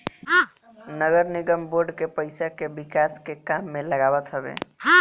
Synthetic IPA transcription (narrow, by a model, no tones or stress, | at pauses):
ɦã | nəɡəɾniɡəmboɾɖkepəɪsakebikaskekamːeləɡabət̪ɦəbḛɦã